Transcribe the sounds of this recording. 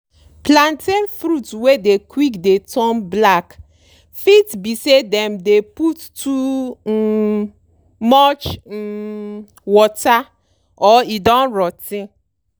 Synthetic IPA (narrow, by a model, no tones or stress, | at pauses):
plantenfɾutwedekwikdetʰɔmblak | fitbisedɛmdeputtu | mɔt͡ʃ̩ | wɔta | ɔidɔ̃nɾɔtɪ